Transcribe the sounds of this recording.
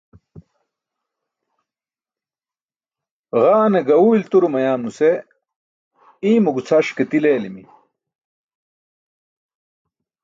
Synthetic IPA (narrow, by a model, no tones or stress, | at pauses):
ɣaːneɡɐuilt̪uɾumɐjaːmnuse | iːmuɡut͡sʰɐʂket̪ileːlimi